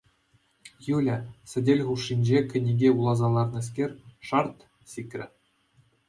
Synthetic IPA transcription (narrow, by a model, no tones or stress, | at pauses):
julʲɘsʲɘ̆dʲelʲχuʂːinʲd͡ʑekʲɘ̆nʲiɡʲeulˠɑzɑlˠɑrnɤ̆s̬kʲerʲʂɑrt̪ | sʲikʲrʲɘ̆